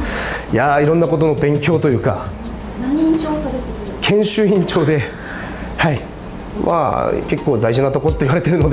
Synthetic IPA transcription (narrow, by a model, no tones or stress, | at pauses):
jaiɾõ̞nːako̞t̪o̞no̞bẽ̞ŋkʲo̞ːt̪o̞jɯ̟ːka̰ | t͡ɕoːsaɾet̪ | kʰẽ̞ɰ̃ɕɨĩɲt͡ɕo̞ːd̪e̞ | hai | mʔa̰ke̞kːo̞ːd̪aiʑinat̪o̞kot̪ːoiβaɾe̞t̪e̞ɾɯ̟no̞d̪e